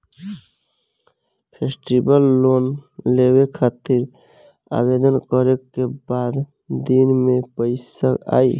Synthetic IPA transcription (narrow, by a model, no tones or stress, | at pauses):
pʰeːsʈibəlːoːnlewekʰaːt̪iɾ | a̰bed̪ənkəɾekebaːd̪ | d̪inmẽpəɪsəa̰ːi